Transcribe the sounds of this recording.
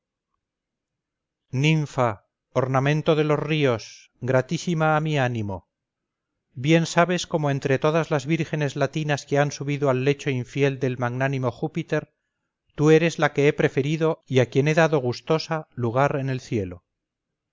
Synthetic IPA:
nĩɱfa | oɾnamẽ̞nt̪o̞ðe̞lo̞srio̞s | ɡɾat̪isimaːmianimo̞ | bje̞nsaβesko̞moe̞nt̪ɾe̞t̪o̞ðazlazβiɾxe̞ne̞zlat̪inaske̞ansuβiðoalːe̞t͡ʃo̞iɱfje̞ld̪e̞lmaɣnanĩmo̞xupit̪e̞ɾ | t̪ue̞ɾe̞zlake̞e̞pɾe̞fe̞ɾiðo̞iakje̞ne̞ðaðo̞ɣ̞ust̪o̞saluɣ̞aɾe̞ne̞lθje̞lo̞

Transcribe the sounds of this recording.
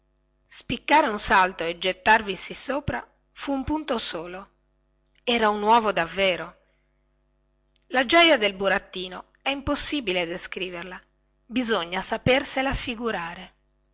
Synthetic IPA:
spikːaːɾeunsalt̪oed͡ʒet̪ːarvisisoːpɾa | fuːmpunt̪osoːlo | ɛːɾaunwɔːvod̪avːɛːɾo | lad͡ʒɔjad̪elbuɾat̪ːiːno | ɛimposːiːbiled̪eskɾiːverla | bizoɲːasaperselafiɡuɾaːɾe

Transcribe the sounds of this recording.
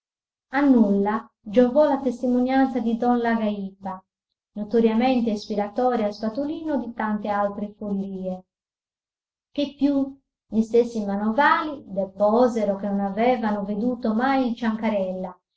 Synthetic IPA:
anːulːa | d͡ʒɔvɔlat̪est̪imonjant̪sad̪id̪ɔnlaɡaipa | nɔt̪oɾjamɛnt̪eːspiɾat̪ɔːɾiaspat̪uliːnod̪it̪ant̪ealt̪ɾefolːiːɛ | k̟epːju | ʎist̪esːimanɔvaːlid̪ɛpɔzɛɾɔkenɔnavɛːvanoved̪uːt̪omajt͡ʃaŋkaɾɛlːa

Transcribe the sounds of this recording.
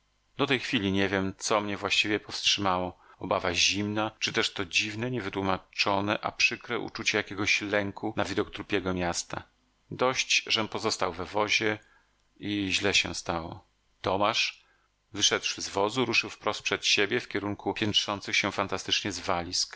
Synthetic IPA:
d̪ɔt̪ɛjxfʲilʲiɲɛvʲjɛmt̪sɔmɲɛvwaɕt͡ɕivʲjɛpɔfstʂɘmawɔɔbavaʑimnat͡ʂɨt̪ɛʂt̪ɔd͡ʑivnɛɲɛvɘt̪wumat͡ʂɔnɛʔa̰pʂɘkɾɛʔṵt͡ʂut͡ɕɛjakʲɛɡɔɕlɛŋkʰunavid̪ɔkt̪ɾupʲjɛɡɔmʲjast̪a̰ | d̪ɔɕt͡ɕʐɛnpɔzɔst̪awvɛvɔʑɛ | iʑlɛɕɛ̰̃st̪awɔ | t̪ɔmaʂ | vɘʂɛd̪ʂzvɔzuɾuʂɘwfpɾɔst̪pʂɛt̪ɕebʲjɛfkʲɛɾuŋkupʲjɛntʂɔnt̪sɨxɕɛfant̪ast̪ɘt͡ʂɲɛzvalʲisk

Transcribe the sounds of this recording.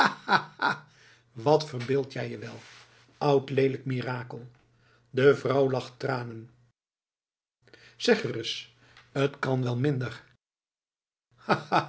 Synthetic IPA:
aaa | ʋɑtfəɹbɪːlˠtjɛjəʋɛlˠ | ʌwtlejləkmiːraːkəlˠ | dəvrʌwlɑχtraːnən | sɛχərəs | ətkɑnʋɛlˠmɪndəɹ | aa

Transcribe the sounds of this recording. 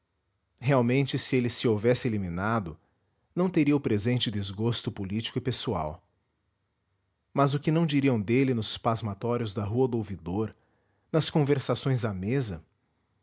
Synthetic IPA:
heawmẽnt͡ʃɪsɪelɪsɪovɛsɪeliminad̪ʊ | nɐ̃w̃t̪eɾiɐʊpɾezẽnt͡ʃɪd̪ɪzɡost̪ʊpolit͡ʃi̥kʊɪpesua̰w | mɐzʊkɪnɐ̃w̃d͡ʒiɾiɐ̃w̃d̪elɪnʊspazmat̪ɔɾjʊzd̪ɐɦuɐd̪ʊowvid̪oɾ | nɐskõveɾsasõj̃zd̪ɐmezɐ

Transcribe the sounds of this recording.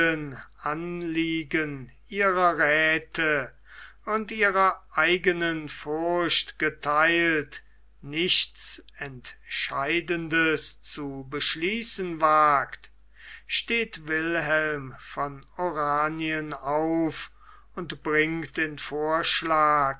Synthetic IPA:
ənʔanliːɡən | ʔiːʁɐʁɛːtʰə | ʊntʔiːʁɐʔaɪɡənənfʊʁɐɕtɡ̥ətʰaɪlt | nɪɕtt͡sɛntʃaɪdəndəst͡subəʃliːsənvaːkt | ʃteːtvɪlɦɛlmfɔnoʁaːniənaʊf | ʊntb̥ʁɪŋt̚d̥eːnfoːɐʃlaːk

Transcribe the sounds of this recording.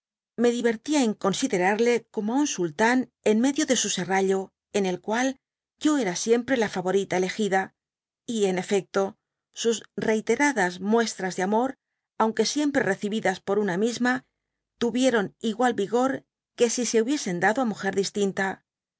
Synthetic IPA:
me̞ðiβ̞e̞ɾt̪iae̞ŋko̞nsiðe̞ɾaɾle̞ko̞moaunsult̪ane̞nme̞ðjo̞ðe̞suse̞raʎo̞ | e̞ne̞lkwal | ɟ͡ʝo̞e̞ɾasje̞mpɾe̞lafaβo̞ɾit̪ae̞le̞xiða | ie̞ne̞fe̞k̚t̪o̞ | susre̞jt̪e̞ɾaðazmwe̞st̪ɾazðeamo̞ɾ | awŋke̞sje̞mpɾe̞re̞θiβiðaspo̞ɾunamizma | t̪uβje̞ɾo̞niɣwalbiɣo̞ɾ | ke̞sise̞uβje̞se̞nd̪aðoamuxe̞ɾðist̪int̪a

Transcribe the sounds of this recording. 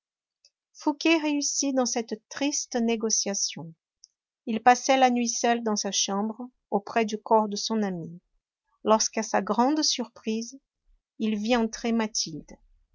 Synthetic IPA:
fukʲeʁeysid̪ɑ̃sɛt̪t̪χist̪neɡosjasjɔ̃ | ilpasɛlanɥisœld̪ɑ̃saʃɑ̃bʁə | opχɛd̪ykɔʁd̪əsɔ̃nami | lɔʁskasaɡʁɑ̃d̪syʁpχiz | ilviɑ̃t̪χemat̪ʰild̪

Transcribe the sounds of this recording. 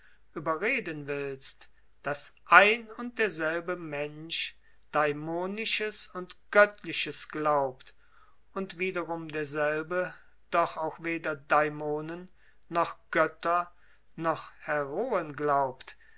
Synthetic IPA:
ʔyːbɐʁeːdənvɪlst | d̥asʔaɪnʊnt̚d̥eːɐzɛlbəmɛnʃ | d̥aɪmoːnɪʃəsʊntɡ̥œtʰlɪʃəsɡ̥laʊpt | ʊntv̥iːdɐʁʊmdeːɐzɛlbə | d̥ɔχaʊxv̥eːdɐdaɪmoːnənː | ɔχɡ̥œtɐ | nɔχhɛʁoːənɡlaʊpt

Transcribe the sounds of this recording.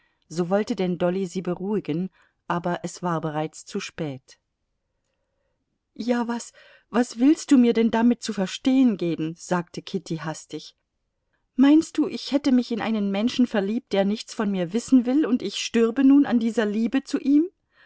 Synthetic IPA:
z̥oːvɔltədɛndɔliziːbəʁuːɪɡən | ʔaːbɐʔɛsv̥aːɐbəʁ̞aɪt͡st͡suʃpɛːt | jaːvas | vasv̥ɪlst̚d̥uːmiːɐdɛndamɪt̚t͡sufɛɐʃteːənɡeːbm̩z̥aːktʰəkʰɪtʰiɦastɪç | maɪnst̚d̥uːʔɪçhɛtəmɪçɪnʔa̰ɪnənmɛnʃn̩fɛɐliːp̚td̥eːɐnɪçt͡sfɔnmiːɐvɪsn̩vɪlʊntɪçʃtʏɐbənuːna̰ndiːzɐliːbət͡suʔiːm

